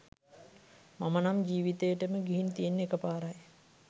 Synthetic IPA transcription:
mamənamd͡ʒiːʋit̪əjəʈəməɡiɦint̪ijenːekəpaːɾaj

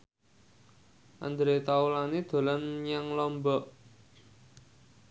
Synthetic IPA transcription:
ʔa̰nd̪ɾet̪aulanid̪̥o̤lanjaŋlɔmbɔʔ

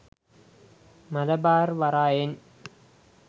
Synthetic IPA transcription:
mɐlɐbaːrʋaɾaːjen

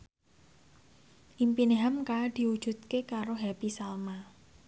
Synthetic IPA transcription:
ʔimpineɦamkad̪̥i̤wu̥ʒ̥ṳt̪̚kekaɾoɦɛpisalma

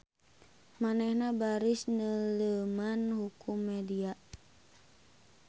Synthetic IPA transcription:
manɛhnabaɾɪsnələmanhukumːɛdia

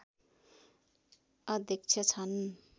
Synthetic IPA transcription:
ʌd̪ekt͡sʰʌt͡sʰʌn

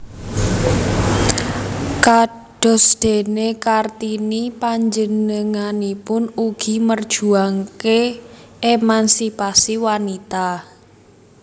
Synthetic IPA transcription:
ka | ɖ̥ɔ̤sd̪̥e̤nekart̪inipaɲd͡ʒənəŋanipʊnuɡ̥i̤mərd̥ʒ̥ṳaŋkeʔemansipasiwanit̪a

